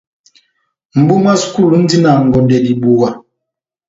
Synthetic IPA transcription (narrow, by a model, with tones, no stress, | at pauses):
m̩˨bu˦mwa˦su̥˨ku˦˨lu˨˦n̩˦di˦na˨ŋ̩˨ɡɔ˨ndɛ˨di˨ɓu˨wa˨